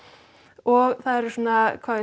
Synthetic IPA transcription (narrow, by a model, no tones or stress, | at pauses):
ɔɣθaðɛɾʏsoːnakʰvaːðɪ